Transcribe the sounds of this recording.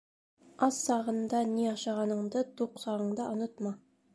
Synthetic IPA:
ɑsːɑʁɤ̆nd̪ɑniɑʃɑʁɑnɤ̆ɴd̪ɤt̪uqsɑʁɤ̆ɴd̪ɑʔŏnot̪mɑ

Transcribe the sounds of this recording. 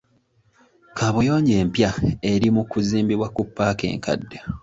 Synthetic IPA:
kʰaβojo̞ːɲɟe̞ːmpjae̞ɾimukuziːmbiβwakupːaːke̞̰ːŋka̰dːa

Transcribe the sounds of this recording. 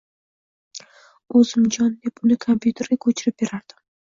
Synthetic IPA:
ɵzɪmd͡ʒɒnd̪e̞pʊnɪkʰompʰʲjut̪ʰe̞ɾɡʲakʲʰɵt͡ʃʰɪɾɪp̚be̞ɾaɾd̪̥ɪm

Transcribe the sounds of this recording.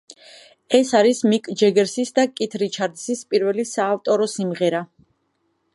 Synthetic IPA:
ɛsaɾismikʼd͡ʒɛɡɛɾsisd̪akʼit̪ʰɾit͡ʃʰaɾd̪sispʼiɾvɛlisaːft̪ʼɔɾɔsimʁɛɾa

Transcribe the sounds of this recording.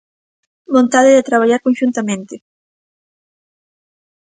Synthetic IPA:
bõnt̪aðeðet̪ɾaβ̞aʎaɾkonʃunt̪amẽnt̪ɪ

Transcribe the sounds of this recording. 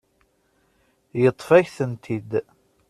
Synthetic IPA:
jət̪ˤːfæçθənt̪ʰid̪

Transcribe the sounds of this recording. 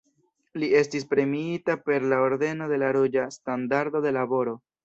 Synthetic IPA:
lie̞stis̬pɾe̞miitape̞ɾlaoɾde̞no̞de̞laɾud͡ʒastandaɾdo̞de̞labo̞ɾo̞

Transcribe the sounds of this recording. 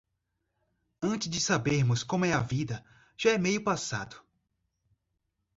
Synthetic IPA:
ɐ̃nt͡ʃɪzd͡ʒɪsabeɾmʊskõmʊɛɐvid̪ɐ | ʒ̥aɛmejʊpasa̰d̪ʊ̥

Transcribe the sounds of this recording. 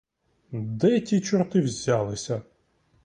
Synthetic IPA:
d̪ɛtʲit͡ʃɔɾt̪ɪwzʲalˠɪsʲɐ

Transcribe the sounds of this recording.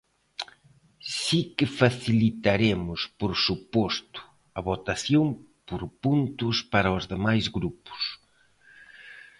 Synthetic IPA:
sikɪfaθilit̪aɾemʊspoɾsupɔst̪ʊ̥ | ɐβot̪aθjoŋ | poɾpunt̪ʊspaɾɐozðemajzɣɾupʊ̥s

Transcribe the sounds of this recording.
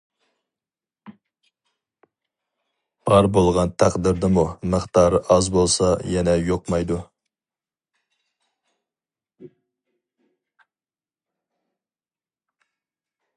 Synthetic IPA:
b̥ɑɾbolˠʁɑnt̪ʰæqd̪ɪɾd̪ɪmuməχt̪ɑːɾɨʔɑzbolˠsɑjɛnɛjoqmɑjd̪u

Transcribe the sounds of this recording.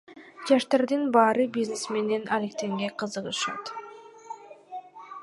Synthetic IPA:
d͡ʒɑʃt̪ɑɾd̪ɯnbɑːɾɯbʲiznesme̞ne̞nalek̚t̪e̞ŋɡe̞qʰɯzɯʁɯʃɑ̰t̪

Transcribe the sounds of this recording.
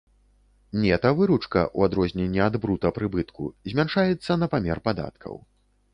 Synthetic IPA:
nʲɛt̪ɐvɨɾut͡ʂkɐ̰ʔṵad̪ɾɔzʲnʲɛnʲːiad̪bɾut̪ɐpɾɨbɨt̪kṵzʲmʲanʂajɛt̪sːɐnɐpamʲɛrpad̪a̰t̪kʰɐ̰w

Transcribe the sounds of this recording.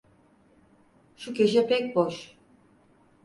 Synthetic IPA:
ʃukʲeʃ̬ɛpʰɛc̚ʲboʃ

